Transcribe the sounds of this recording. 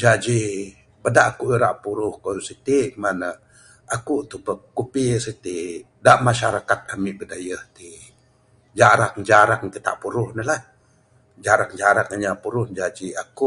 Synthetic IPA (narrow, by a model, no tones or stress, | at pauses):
d͡ʒad͡ʒi | bədaʔakuʔiɾaʔpuɾʊhkosit̪iʔmanə | akuʔt̪upəkupisit̪i | daʔmaʃaɾakat̪̚amiʔbədajəht̪i | d͡ʒaɾakŋd͡ʒaɾakŋt̪it̪a̰ʔpuɾʊhnəlah | d͡ʒaɾak̚d͡ʒaɾakaɲapuɾʊhd͡ʒad͡ʒiakuʔ